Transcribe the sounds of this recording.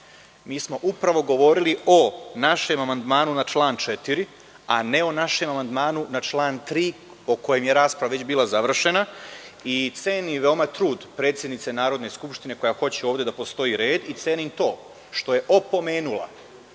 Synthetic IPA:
miːsmo̞ʔupɾaʋo̞ɡo̞ʋo̞ɾilio̞naʃe̞mamand̪maːnunat͡ʃlˠaːnt͡ʃet̪iɾi | ane̞o̞naʃe̞mamand̪maːnunat͡ʃlˠaːnt̪ɾiː | oko̞jemje̞ɾaːspɾaʋaʋe̞t͡ɕbiːlˠazaʋr̩ʃe̞nait̪seːniʋeomat̪ɾuːd̪pɾet̪sʲjed̪nit̪se̞naːɾo̞d̪ne̞skupʃt̪ine̞ko̞jaxo̞t͡ɕeo̞ːʋd̪je̞d̪apo̞st̪o̞iɾe̞ːd̪it̪seːnint̪o̞ː | ʃt̪o̞je̞ʔopo̞me̞ːnulˠa̰

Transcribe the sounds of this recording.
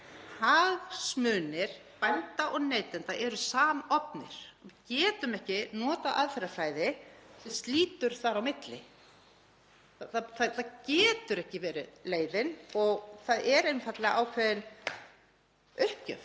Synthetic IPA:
haːɣsmʏːnɪɾ̥pajnt̪aʔɔɣneːjt̪ɛnt̪aʔɛɾʏsaːmaɔpnɪɾ̥ɪcɛːt̪ʏmɛhcɪnɔːt̪aʔaðfɛɾafɾaːjðɪsɛmst̪liːt̪ʏɾ̥θaɾawmɪt̪lɪ | aθaθaθacɛːt̪ʏɾɛhcɪvɛːɾɪleːjðɪnɔɣθaðɛɾejnfat̪lɪɣaʔawkʰvɛːðɪn | ʏhpcœ̰f

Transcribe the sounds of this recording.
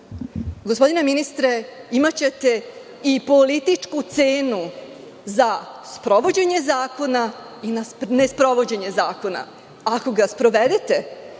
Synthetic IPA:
ɡospo̞d̪ineminist̪ɾeimat͡ɕe̞t̪e̞ | ipo̞lit̪it͡ʂkut̪seːnu | zaspɾo̞ʋo̞d͡ʑe̞ɲe̞zaːko̞na | inane̞spɾo̞ʋo̞d͡ʑe̞ɲe̞zaːko̞na̰ | ako̞ɡaspɾo̞ʋed̪et̪e̞

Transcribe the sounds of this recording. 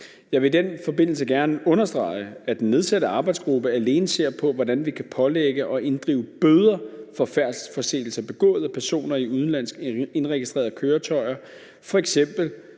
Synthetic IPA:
jɑ̈ɪʋe̝d̥enfɒ̽be̝n̰l̩səɡ̥æɐnəɔ̽nɐsd̥ʁɑ̈ɪəæd̥enːe̝ð̞ˠsæd̥əɑ̈ːb̥ɑ̈ɪd̥sɡ̥ʁub̥əæle̝ːnəse̝̰ɐ̰pʰɒ̽ʋɒdænʋikʰæpʰɒ̽leɡ̥əʔɒ̽ʔe̝nd̥ʁḭːʊəb̥øːð̞ˠɐfɒ̽fæɐ̰d̥fɒ̽se̝̰ːl̩sɐb̥e̝ɡ̥ɔ̰̽ːð̞̩ˠəpʰæɐso̝̰ːnɐiuð̞ˠn̩læn̰sɡ̥e̝nʁɛɡ̥isd̥ʁḛɐðˠkʰøːɐt͡sʰɒ̽ɪ̰ɐ | fɒ̽eɡ̥sem̰b̥l̩

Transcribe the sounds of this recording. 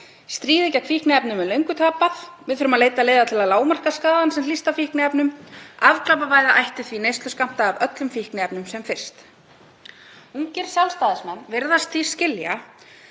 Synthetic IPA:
st̪ɾiːðɛcakʰvihknɪɛpnʏmɛlœɥŋkʏt̪ʰaːpaθvɪðfʏɾʏmaðleːjt̪aleːðat̪ʰɪlaðlaːwmar̥kaskaːðansɛml̥ist̪afihknɪɛpnʏmavklap̬avaːjðaʔajht̪ʏθvinejst̪lʏskam̥t̪aːvœt̪lʏmfihknɪɛpnʏmsɛmfɪr̥st̪ | uŋcɪɾ̥sjawlst̪aːðɪsmɛnːveɾðast̪θi̥scɪlja̰

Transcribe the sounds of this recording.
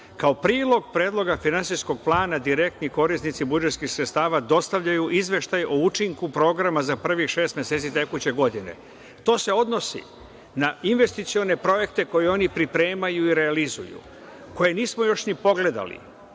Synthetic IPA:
kaopɾiːlˠo̞ɡpɾe̞ːd̪lˠo̞ɡafinansijsko̞ɡ̚plˠaːnad̪iɾe̞k̚t̪niko̞ɾist̪nit̪sibud͡ʒet̪skixsɾet̪st̪aːʋad̪o̞st̪aʋʎajuʔizʋe̞ʃt̪ajout͡ʃiŋkupɾo̞ːɡɾamazapr̩ʋixʃe̞ːst̪mjeset̪sit̪e̞kut͡ɕe̞ɡo̞d̪ine̞̰ | t̪o̞ːse̞o̞d̪no̞sḭ | nainʋe̞st̪it̪sio̞ne̞pɾo̞je̞kt̪e̞ko̞jeo̞nipɾipɾe̞ːmajuiɾealizṵjṵ | ko̞je̞niːsmo̞jo̞ʃnipo̞ɡle̞d̪a̰lḭ

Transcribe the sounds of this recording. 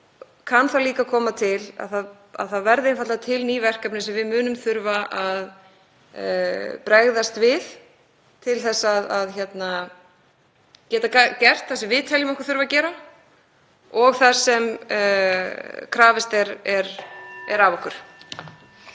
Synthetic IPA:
kʰanθaliːkakʰɔːmat̪ʰɪla̰ðθað | a̰ðθavɛɾðɪɪnfat̪at̪ʰɪlnivɛr̥kapnɪsɛmvɪðmʏːnʏmθʏɾvaʔað̰ | pɾɛɣðast̪vɪð | t̪ʰɪlθɛsːaðaðçɛt̪na | cɛːt̪akacɛr̥t̪θasɪvɪðt̪ʰɛljɪmɛhkvaɾθʏɾvacɛːɾa | ɔɣθḁsɛm | kʰɾaːvɛst̪ɛɾɛɾɛ̰ɾavɔhkʏɾ̥

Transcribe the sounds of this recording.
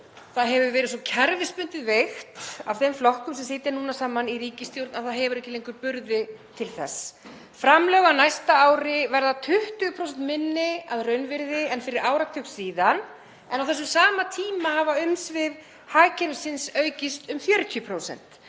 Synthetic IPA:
θaðɦɛvʏvɛːɾɪðsɔcʰɛɾvɪspʏnt̪ɪðvext̪av̥θejmflɔhkʏmsɛmsɪːt̪ɪɾnuːnasaːmaniriːcɪst̪jowɾt̪naðθaðɦɛvʏɾɛhçcɪlejŋkʏɾpʏɾðɪt̪ʰɪlθɛ̰sː | fɾamlœːɣanajst̪aaːwɾɪvɛɾðat̪ʰʏht̪ʏɣpʰɾowsɛnt̪mɪnːɪaðrœɥnvɪɾðɪɛnfɪɾɪɾaːwɾat̪ʰʏksiːðan | ɛnawθɛs̬ːʏmsaːmat̪ʰiːmahavaʏmsvɪð | haːcɛɾvɪsɪnsœːɥcɪst̪ʏmfjœːɾʏt̪ʰʏpʰɾoːwsɛ̰n̥t̪

